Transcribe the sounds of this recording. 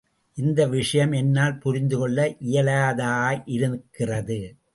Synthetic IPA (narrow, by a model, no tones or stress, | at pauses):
ʔɪnd̪ɐʋɪʂɐjɐmɛnːaːlpʊɾɪnd̪ɯkɔɭːɐʔɪjɐlaðaːʔɪɾɯkːɪrɐðɯ